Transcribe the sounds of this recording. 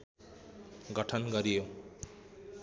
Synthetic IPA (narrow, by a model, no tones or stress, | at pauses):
ɡɔʈʰonɡɔɾijo